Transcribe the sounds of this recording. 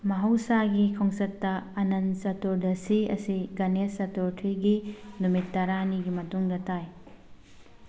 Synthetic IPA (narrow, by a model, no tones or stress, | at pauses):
mɐɦɐwsaɡikʰoŋsɐtːɐɐnɐnsɐtoɾdɐsiɐ̰siɡɐnesːɐtoɾtʰɾiɡinumitːɐɾaniɡimɐtuŋdɐtʰaj